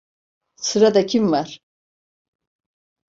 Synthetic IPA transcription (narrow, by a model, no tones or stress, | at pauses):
sʰɨɾad̪akʲʰimːaɾ